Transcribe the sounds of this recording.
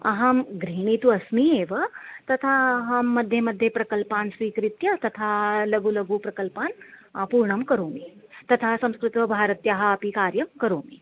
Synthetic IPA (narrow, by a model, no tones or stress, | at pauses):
ɐ̰ɦɐmɡɾiːɳit̪uɐsmieːʋɐt̪ɐt̪ʰaɦɐmːɐd̪ʱjɐmɐd̪ʱjepɾɐkɐlpaːnsʋiːkɾit̪jɐt̪ɐt̪ʰalɐɡulɐɡupɾɐkɐlpaːnpuːɾɳɐmkɐɾoːmit̪ɐt̪ʰasɐ̃mskɾɪt̪ʋɐbʱaːɾɐt̪jaɦɐɐpikaːɾjɐmkɐɾoːmi